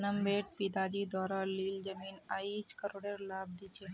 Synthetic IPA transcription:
nəmbeʈ̚pid̪ad͡ʑiːd̪ɔːɾaliːld͡ʒəmiːnait͡ʃkəɾoɽeɾlaːb̚d̪it͡ʃʰe

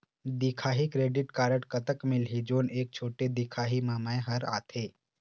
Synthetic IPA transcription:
d̪ikʰaːɦikɾeːɖɪʈkaːɾəʈkɐt̪əkmɪlɦid͡ʒoːneːk̚t͡ʃʰoːʈed̪ikʰaːɦimaːmaeɦɐɾa̰ːt̪ʰeː

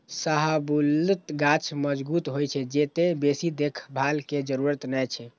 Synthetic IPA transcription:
saɦabult̪ɡat͡ʃʰməd͡ʒbut̪ɦojt͡ʃʰɛd͡ʒet̪ebesid̪ekʰbʱalked͡ʒəɾuɾət̪nɛt͡ʃʰɛ

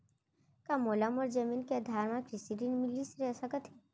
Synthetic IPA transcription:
kamoːlɐmɔːɾd͡ʒɐmiːnkeɐd̪ʱaːɾmãkɾɪsiɾinmɪlisɾɛsɐkət̪ʰɛ

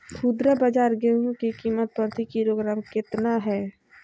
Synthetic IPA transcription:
pʰud̪ɾəbəd͡ʒaːɾɡeɦũkikiːmət̪̚pəɾt̪ʰikiɾoɡɾaːmkɪt̪naɦɛː

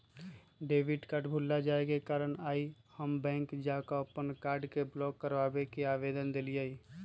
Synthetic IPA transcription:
ɖeːʋɪɖkaʈbʱulːad͡ʒaːekekaːɾənaːihəmbɛ̃ːŋkd͡ʒakaəpənkaːɾɖkeblɔkːəɾʋaːbekeaːʋed̪ənd̪elijai

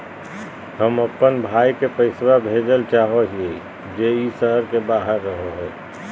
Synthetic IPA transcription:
həməpːənbʱaːikepəɪswabʱeːd͡ʒəlt͡ʃaːɦoɦe | d͡ʒeːisəɦəɾkebaːɦəɾːəɦoɦɛː

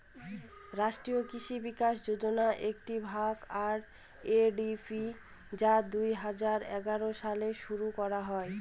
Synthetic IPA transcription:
ɾaʃʈɾiokiʃibikaʃd͡ʑod͡ʑonaʔek̚ʈibʱakaɾ | eɖifʰi | d͡ʑad̪ujɦad͡ʑaɾɛ̰ɡaɾoʃaleʃuɾukɔɾaɦɔe

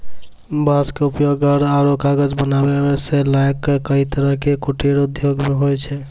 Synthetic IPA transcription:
baskeupjoɡəɾaɾokaɡəd͡ʒbənabebeselajkːəkəɦit̪əɾəɦkekuʈeɾud̪ʱjoɡmeɦojt͡ʃʰɛ

